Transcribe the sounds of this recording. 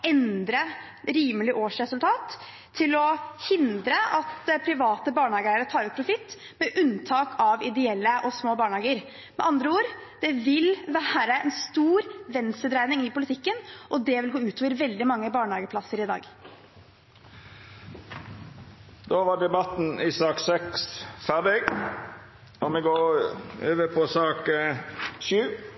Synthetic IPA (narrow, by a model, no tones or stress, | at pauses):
ɛnd̪ɾə | ɾiːməlɪʔoːʂɾɛsʉlt̪ʰɑːt̪ʰː | ɪlɔhɪnd̪ɾəʔɑt̪pʰɾɪʋɑːt̪əbɑːɳhɑːɡəæɪəɾət̪ʰɑːɾʉːt̪̚pʰɾʊfɪt̪ː | mɛʔʉnt̪ʰɑːkʰɑʋɪd̪ɛɛlːəʔɔsmoːbɑːɳhɑːɡəɾ | mɛʔɑnd̪ɾəuːɾd̪̥ɛʋɪlʋæːɾəɛnst̪uːɾʋɛnsəd̪ɾæɪnɪŋɪpʊlɪt̪ʰɪkːənʔɔd̪ɛʋɪlɡoːʉːt̪ʰoːʋəɾʋɛld̪ɪmɑŋːəbɑːɳəhɑːɡəpʰlɑsəɾɪd̪ɑ̰ːɡ | d̪oːʋɑɖɛbɑt̪n̩iːsɑːksɛksfæʁɖɪɡ | ɔmɛɡoːɾøːʋəpʰɔsɑːk | ʃʉː